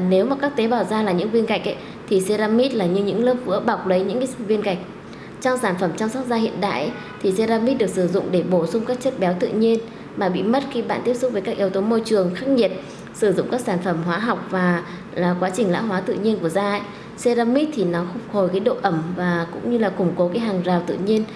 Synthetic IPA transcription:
ne˨˦wmaː˨˩kaː˦˥k̚t̪e˨˦ɓaː˧˩wzaː˧laː˨˩ɲɨ̰˧˥ŋvi˧ənka˨˩jk̚ʔa˨˦ | t̪ʰi˨˩se˧zaː˧mi˦˥t̚laː˨˩ɲɨ˧ɲɨ̰˧˥ŋləː˦˥p̚vɨ̰˧˥əɓa˨˩wk͡p̚lə˨˦jɲɨ̰˧˥ŋka˨˦vi˧ənka˨˩jk̚ | t͡ɕɔ˧ŋ͡msaː˧˩nfə˧˩mt͡ɕɔ˧wŋ͡msɔ˦˥t̚zaː˧hḭ˧˨ənɗa̰ː˧˨jʔ | t̪ʰi˨˩se˧zaː˧mi˦˥t̚ɗɨ˨˩ək̚sɨ˧˩zʊ̰˧˨ŋ͡mɗe˧˩ɓo˧˩sʊ˧ŋ͡mkaː˦˥k̚t͡ɕə˦˥t̚ɓɛ˨˦wt̪ɨ̰˧˨ɲi˧ən | maː˨˩ɓḭ˧˨mə˦˥t̚xi˧ɓa̰ː˧˨nt̪i˦˥əp̚sʊ˦˥k͡p̚vəː˨˦jkaː˦˥k̚ʔi˨˦wt̪o˨˦mo˧jt͡ɕɨ˨˩əŋxaː˦˥k̚ŋi˨˩ət̚ | sɨ˧˩zʊ̰˧˨ŋ͡mkaː˦˥k̚saː˧˩nfə˧˩mɦwaː˨˦ɦa˨˩wk͡p̚vaː˨˩ | laː˨˩kwaː˨˦t͡ɕï˨˩ŋ̟la̰ː˧˥ɦwaː˨˦t̪ɨ̰˧˨ɲi˧ənku˧˩əzaː˧˦ | se˧zaː˧mi˦˥t̚t̪ʰi˨˩nɔ˨˦xʊ˨˩k͡p̚ho˨˩jkaː˨˦jɗo̰˧˨ʔə˧˩mvaː˨˩kʊ̰˧˥ŋ͡mɲɨ˧laː˨˩kʊ˧˩ŋ͡mko˨˦kaː˨˦jɦaː˨˩ŋzaː˨˩wt̪ɨ̰˧˨ɲi˧ən

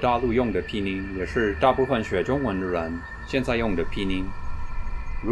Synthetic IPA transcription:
t̪a˥˧lu˥˧jʊ˥˩ŋd̪ə˩pʰi˥˩ni˧˥ŋjɛ˨˩ʂɻ̩˥˧t̪a˥˧pu˥˧fə˨˩nɕɥɛ˨˥ʈ͡ʂʊ˥ŋwə˧˥nd̪ə˧ɻə˧˥n | ɕjɛ˥˧nt͡sa˥˧ɪjʊ˥˩ŋd̪ə˩pʰi˥˩ni˧˥ŋ | ɻu˧˥

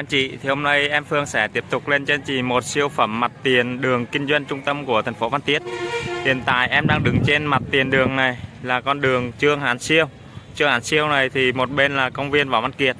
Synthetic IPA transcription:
ʔa˧nt͡ɕḭ˧˨t̪ʰi˨˩ho˧ŋ͡mna˧jʔɛ˧mfɨ˧əŋsɛ˧˩˥t̪i˦˥əp̚t̪ʊ˨˩k͡p̚le˧nt͡ɕe˧nt͡ɕḭ˧˨˩mo˨˩t̚si˧əwfə˧˩mːa˨˩t̚t̪i˨˩ənɗɨ˨˩əŋkï˧ŋ̟zwə˧jŋ̟t͡ɕʊ˧ŋ͡mt̪ə˧mku˧˩ət̪ʰa˨˩jŋ̟fo˨˦va˧nt̪i˦˥ət̚hḭ˨ənt̪a̰ː˧˨jʔɛ˧mɗaː˧ŋɗɨ˨˦ŋt͡ɕe˧nma˨˩t̚t̪i˨˩ənɗɨ˨˩əŋna˨˩jlaː˨˩kɔ˧nɗɨ˨˩əŋt͡ɕɨ˧əŋɦaː˨˦nsi˧əw | t͡ɕɨ˧əŋhaː˨˦nsi˧əwna˨˩jt̪ʰi˨˩mo˨˩t̚ɓe˧nlaː˨˩kə˧wŋ͡mvi˧ənvaː˨˩wva˧nki˨˩ət̚

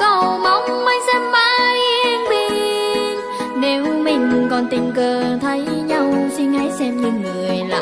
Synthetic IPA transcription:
kə˧˩wma˨˦wŋ͡mma˧˦jsɛ˧mːa˧˥jʔɛ˧ŋt̪i˧n | ne˨˦wmï˨˩ŋ̟kɔ˨˩nt̪ï˨˩ŋ̟kəː˨˩t̪ʰə˨˦jɲa˧wsi˧nha˨˦˥jsɛ˧mɲi˧˩nŋɨ˨˩əjla̰˨˩

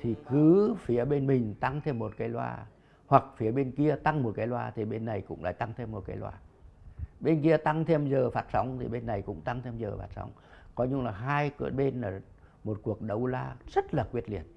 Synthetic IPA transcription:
t̪ʰi˨˩kɨ˨˦fi˨˦əɓe˧nmï˨˩ŋ̟t̪a˧ŋt̪ʰe˧mːo˨˩t̚kaː˨˦jlwa̰ː˧ | hwa˨˩k̚fi˨˦əɓe˧nki˧ət̪a˧ŋmo˨˩t̚kaː˨˦jlwaː˧t̪ʰi˨˩ɓe˧nːa˨˩jkʊ̰˧˥ŋ͡mla̰ː˧˥˨jt̪a˧ŋt̪ʰe˧mːo˨˩kaː˨˦jlwa̰ː˧˩ | ɓe˧nki˧ət̪a˧ŋt̪ʰe˧mzəː˨˩faː˨˩t̚sa˨˦wŋ͡mt̪ʰḭ˨˩ɓe˧nːa˨˩jkʊ̰˧˥ŋ͡mt̪a˧ŋt̪ʰe˧mzəː˨˩faː˨˩t̚sa̰˨˦wŋ͡mkɔ˨˦ɲɨ˧ŋlaː˨˩ɦaː˧jkɓe˧nlaː˨˩ | mo˨˩t̚ku˨˩ək̚ɗə˨˧˩wlaː˧zə˦˥t̚laː˨˩kwi˦˥ət̚lḭ˧˩ət̚

